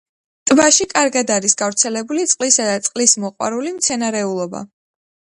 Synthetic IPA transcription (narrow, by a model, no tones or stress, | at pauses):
t̪ʼbaʃikʼaɾɡad̪aɾisɡavɾt̪sʰɛlɛbulit̪sʼqʼlisad̪at̪sʼqʼlismɔqʼwa̰ɾulimt̪sʰɛnaɾɛulˠɔba̰